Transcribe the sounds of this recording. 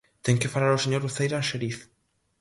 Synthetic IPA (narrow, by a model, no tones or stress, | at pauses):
t̪ɛŋkɪfalaɾoseɲoɾuθejɾaʃeɾiθ